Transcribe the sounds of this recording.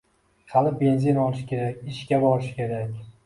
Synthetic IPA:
halɪbe̞nzɪnɒlˠɪʃkʲʰe̞ɾakʲɪʃkʲabɒɾɪʃkʲʰe̞ɾakʲ

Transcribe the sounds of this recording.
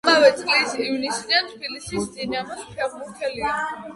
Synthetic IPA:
mavɛt̪sʼqʼlisivnisniat̪ʰbilisisd̪inamɛspʰɛʁmuɾt̪ʰɛlia

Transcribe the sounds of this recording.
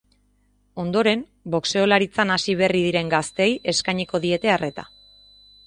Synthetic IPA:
o̞nd̪o̞ɾe̞m | bo̞kse̞o̞laɾit͡sanasiβ̞e̞riðiɾe̞ŋɡast̪e̞je̞skajɲiko̞ðie̞t̪e̞are̞t̪a̰

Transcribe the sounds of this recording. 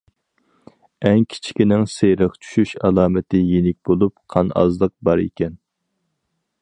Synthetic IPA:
ɛŋkʲʰi̥t͡ʃʰi̥kʲinɪŋsejɾəqt͡ʃʰy̥ʃyʃɑlˠɑːmɪt̪ɪjenɪk̚ʲbolˠupqʰɑnɑ̰zlˠəq̚bɑɾḛkʲɛn

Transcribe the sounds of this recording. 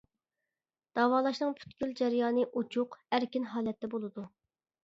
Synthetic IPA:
d̪̥ɑːwɑːlˠɑʃnɨŋpʰy̥t̪kʲyld͡ʒɛɾjɑːnɨʔut͡ʃʰuqæɾkʲinɦɑːlˠɛt̪ʰːɛbolˠɨd̪u

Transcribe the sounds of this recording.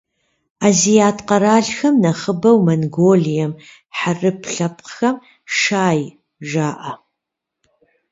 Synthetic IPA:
aːzijaːtʰqɐɾaːɮxɐmnɐχəbɐwmɐnɡoːlijɛm | ħarɨpʰɬɐpqxɐm | ʂaːj | ʒaːʔɐ

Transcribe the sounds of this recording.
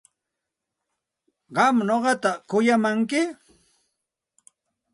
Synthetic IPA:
ɢɑmnoɢɑt̪akʊjamaŋkɪ

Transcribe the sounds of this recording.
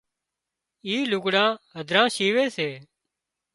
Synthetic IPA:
iːlʊkɽãːɦəd̪ʱɾãːʃiːʋeːseː

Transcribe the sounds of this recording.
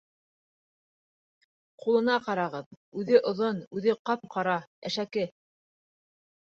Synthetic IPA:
qulˠɤ̆nɑqɑɾɑʁɤðʉðɘʔŏðonʉðɘqɑp̚qʰɑɾɑæ̰ʃækɘ

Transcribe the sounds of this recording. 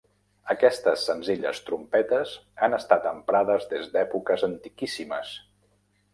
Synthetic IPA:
əkɛst̪əsːənziʎə̰st̪ɾumpɛt̪əzanəst̪at̪əmpɾaðəzðezd̪ɛpukəzənt̪ikisimə̰s

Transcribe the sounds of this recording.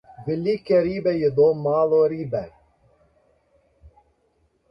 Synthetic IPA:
vɪliːkeɾiːbɛjed̪oːmaːlˠoːɾiːbɛ

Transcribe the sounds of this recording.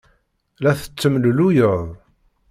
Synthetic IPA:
læθə̥t͡sːəmllujəðˤ

